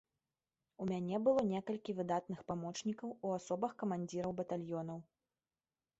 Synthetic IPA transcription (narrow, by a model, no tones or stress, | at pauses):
umʲanʲɛbɨlˠɔnʲɛkɐlʲkʲivɨd̪at̪nɨxpamɔt͡ʂnʲikɐwuasɔbɐxkɐmanʲd͡zʲiɾɐwbɐt̪alʲjɔn̪ɐw